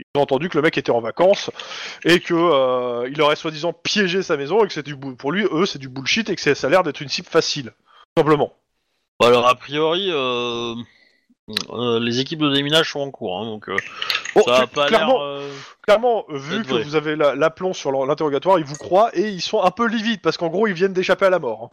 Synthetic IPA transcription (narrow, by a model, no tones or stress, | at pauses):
ilzɔ̃ɑ̃t̪ɑ̃d̪ykələmɛket̪ɛɑ̃vakɑ̃sekʰʲəøilɔʁɛswad̪izɑ̃pjeʒesamezɔ̃ekə̥sɛt̪ɛd̪ybupuʁlɥiøsɛd̪ybulʃit̪ekə̥sasalɛʁd̪ɛt̪χynsipfasil | u̥sɛ̃pləmɑ̃ | alɔʁapχijɔʁiø | lezek̬ʲip̚d̪əd̪eminaʒsɔ̃ɑ̃kuʁɛ̰̃d̪ɔ̃kø̰ɔapaklɛʁmɑ̃klɛʁmɑ̃vykəvuzavelalaplɔ̃syʁl̃lɛ̃t̪eʁɔɡʲat̪waʁilvukχwaʔeilsɔ̃ɛ̃pølivid̪̚paʁsə̥kɑ̃ɡʁoilvjɛnd̪eʃapealamɔːʁɛ̃